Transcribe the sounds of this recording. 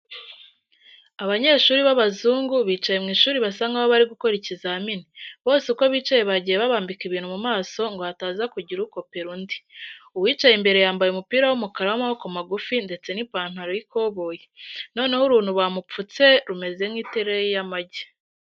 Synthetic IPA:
aβaɲe̞ʃuːɾiβaβazuːŋɡuβiːt͡ʃaje̞mŋiːʃuːɾiβasaŋɡaβoβaɾiɡuko̞ɾecizaaminiβo̞ːseuko̞βiːt͡ʃajeβaɟijeβaβaːmbikiβiːn̥humumaːso̞ŋɡo̞hataːzakuɟiɾuko̞peɾundiuwiːt͡ʃajimbe̞ɾe̞jaːmbajumupiːɾawumukaɾawamahokomaɡufinde̞t͡se̞nipaːn̥haɾojikʰo̞βoːjeno̞ːne̞huɾuːnhuβamup͡fut͡se̞ɾume̞ze̞mŋiːte̞ɾejejamaɟe̥

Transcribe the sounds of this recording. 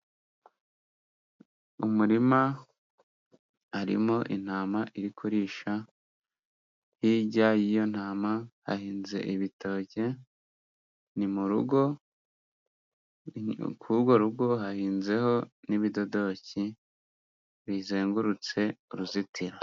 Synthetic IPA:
umuɾima | ɾḭmo̞ʔin̥aːmaʔiɾikʰuɾiːʃa | hiɟajijo̞n̥aːmaha̰hiːnze̞̰ʔiβito̞ːɟe̞ | nimuɾuɡo̞ | kuɡo̞ɾuɡo̞ɦahiːnze̞ho̞niβido̞do̞ci | βizeːŋɡuɾut͡se̞uɾuzitʰiɾa

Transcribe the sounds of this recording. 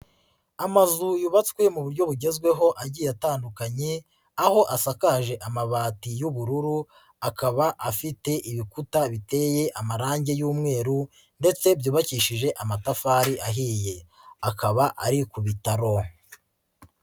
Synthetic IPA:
amazujuβat͡skwe̞muβuɾɟo̞βuɟe̞zɡwe̞ɦo̞ʔaɟiːjataːndukaɲe̞ | aho̞ʔasakaːʒe̞ʔamaβaːtijuβuɾuɾu | akaβaʔafite̞ʔiβikutaβite̞ːje̞ʔamaɾaːɲɟe̞juːmŋe̞ːɾu | nde̞t͡se̞bjuːβaciːʃiʒe̞ʔamatafaːɾiʔaɦiːje̞ | akaβaʔaɾikuβitaɾo̞

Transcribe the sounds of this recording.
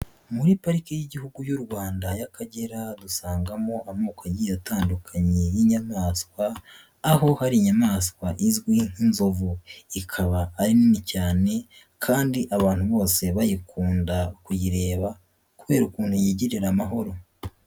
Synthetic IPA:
muɾipaɾikejiɟihuɡujuɾɡwaːndajakaɟeɾadusaːŋɡamo̞ʔamuːkajijataːndukʰaɲejiɲamaːskwaː | ho̞haɾiɲamaːskwaʔizɡwin̥inzo̞vuikʰaβaːɾinimicaːne̞ | kʰaːndiʔaβaːnhuβo̞ːse̞βajikʰuːndakujiɾe̞ːβa | kuβe̞ːɾukuːnhujiːɟiɾiɾamaɦo̞ɾo̞

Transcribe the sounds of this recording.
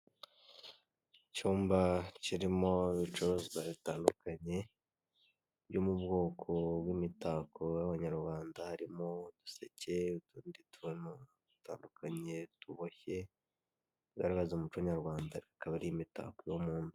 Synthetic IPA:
cuːmbaciɾimo̞iβit͡ʃuɾozzaβitaːndukaɲe̞ | bjomubɡo̞ːkʰo̞bwimitakojaβaɲaɾwaːndahaɾimo̞du̥sḛce̞utuːnditʰunu | du̥ta̰ːndukaɲe̞tuβoçe̞ | tɡaɾaɡazomut͡ʃaɲaɾɡwaːndaɾikakaβaɾiimita̰kojomuːndu

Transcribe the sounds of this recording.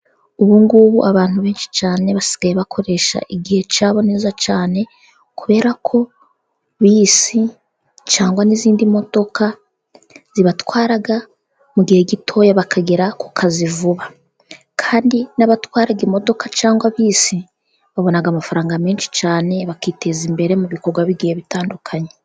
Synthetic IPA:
uβuŋɡuβuʔaβaːn̥huβe̞ːnʃi̥t͡ʃaːne̞βasi̥ɡ̥ajeβakʰo̞ɾe̞ʃa̰ʔiɡihe̞t͡ʃaːβo̞ne̞ːzat͡ʃaːne̞ | kuβe̞ːɾakʰo̞ | βiːsi | t͡ʃaːŋɡwaniziːndimo̞d̥o̞kʰa | z̥iβatwaːɾaɡa | muɡihe̞ɡitʰo̞ːjaβakʰaɡiɾakukʰazivuβa | kʰaːndinaβatwaːɾaɡimo̞do̞kat͡ʃaːŋɡwaβiːsi | βaβo̞naɡaːmafaɾaːŋɡameːnʃi̥t͡ʃaːne̞βakiːte̞zimbe̞ɾe̞muβiko̞ɾɡwaβiɡihe̞βitaːndukʰaɲe

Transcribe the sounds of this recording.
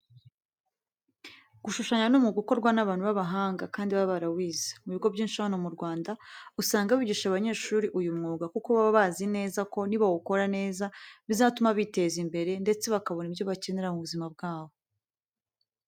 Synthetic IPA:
ɡ̥uʃuʃaɲanumŋuɡuko̞ɾɡwanaβaːn̥huβaβaɦaːŋɡakaːndiβaβaɾawiːzḁmuβiɡo̞vɟiːnʃahanomuɾɡwaːndausaːŋɡaβiɟiːʃaβaɲe̞ːʃuɾiʔujumŋuːɡakukoβaβaβazine̞ːzako̞niβawuko̞ɾane̞ːzaβizaːtumaβite̞zimbe̞ɾe̞nde̞t͡se̞βakaβo̞nibjoβace̞ne̞ɾamuβuzimabɡaːβo

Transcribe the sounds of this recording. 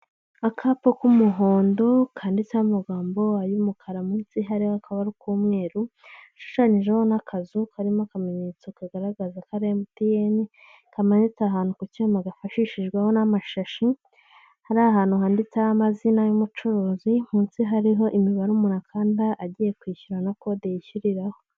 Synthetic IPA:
akʰapokumuɦoːndo̞kʰaːndit͡saumaɡaːmbo̞ajumukʰaɾamunsiɦaɾihoakʰaβaɾukʰuːmŋe̞ːɾu | ʃu̥ʃaɲiʒeho̞nakʰazukʰaɾimokameɲet͡sakaɡaɾaɡazakaɾemutijeni | kameɲit͡saɦaːnhukucumaɡafaʃiʃiʒɡweho̞namaʃaʃi | haɾaɦaːnhuɦaːndit͡saamazinajumut͡ʃuɾuːzim̥uːnsiɦaɾiɦo̞ʔimiβaɾumunakʰaːndaʔaɟije̞kwiːçuɾanako̞dejiçuɾiɾaho̞

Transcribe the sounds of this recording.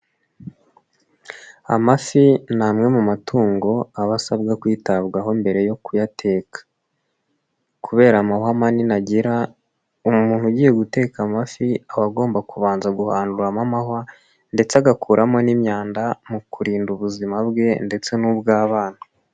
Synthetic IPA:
a̰mafinaːmŋe̞mumatʰuːŋɡo̞aβasabɡakwiːtaβɡaɦo̞imbe̞ɾe̞jo̞kujatʰe̞ːkḁ | kʰuβe̞ːɾamahamaninaɟiɾa | umumuːn̥huɟiːje̞ɡute̞ːkamafiaβaɡo̞ːmbakuβaːnzaɡuhaːnduɾamamaha | nde̞t͡seaɡakuːɾʔamo̞nimɲaːndamukuɾiːnduβuzimabɡe̞nde̞t͡se̞nuːbɡaːβaːn̥hu

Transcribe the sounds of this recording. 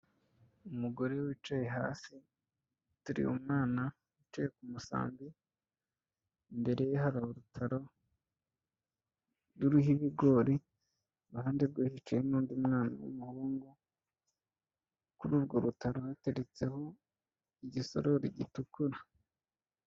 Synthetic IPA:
umuɡo̞ɾe̞wit͡ʃaje̞ɦa̰ːsi | tuɾḭṵmŋaːna | ut͡ʃaje̞kumusa̰ːmbi | mbe̞ɾe̞jehaɾahoɾutʰaɾo̞ | ɾuɾuɦiβiɡo̞ɾi | ɾuhaːndeɾɡwiːhit͡ʃajinuːndiumŋaːna̰wṵmuhuːŋɡu | kuɾuːbɡo̞ɾutaɾohate̞ɾet͡se̞ho̞ | iɟiso̞̰ɾo̞ɾḭɟitukuɾa

